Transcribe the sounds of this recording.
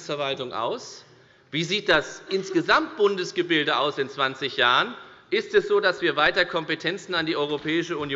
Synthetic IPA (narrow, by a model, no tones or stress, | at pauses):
sfɛɐvaltʊŋʔa̰ʊs | v̥iːziːt̚d̥asʔɪnsɡ̥əzamt̚b̥ʊndəsɡ̥əbɪldəʔaʊsɪnt͡sv̥ant͡sɪçjaːʁənʔɪstɛsz̥oːdasv̥iːɐvaɪtɐkʰɔmpətʰɛnt͡sn̩andiːʔɔʏʁ̞opʰɛːɪʃəunj